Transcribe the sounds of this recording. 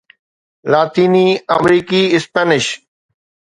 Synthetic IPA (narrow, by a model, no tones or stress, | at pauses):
laːt̪iːniːəmɾiːkiːɪspəːnɪʃ